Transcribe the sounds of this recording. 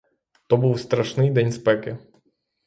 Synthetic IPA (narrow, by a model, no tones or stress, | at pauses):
t̪ɔbuwst̪ɾaʂnɨjd̪ɛnʲspɛkɪ